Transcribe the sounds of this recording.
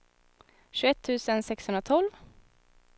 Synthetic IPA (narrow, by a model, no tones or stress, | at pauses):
ɕʉɛt̪ʰːʉ̟ːsənsɛkshɵnɾat̪ʰɔlv